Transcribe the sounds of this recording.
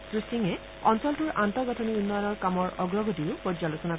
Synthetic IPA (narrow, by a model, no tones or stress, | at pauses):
sɹistiŋɛ | ɔnsɔltuɹʔantɔɡɔtʰɔniunːɔjɔnɔɹkamɔɹʔɔɡɹɔɡotiʊpɔd͡ʒzalosɔna